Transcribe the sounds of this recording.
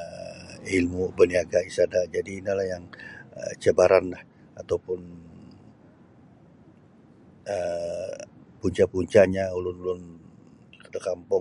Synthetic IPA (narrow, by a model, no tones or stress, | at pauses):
ilmubəniaɡaisadad͡ʒadiːnilahjaŋə̰t͡ʃəbaɾanlah | at̪awpʊn | ə | puɲt͡ʃapuɲt͡ʃaɲaulʊnulʊn | kədakampɔ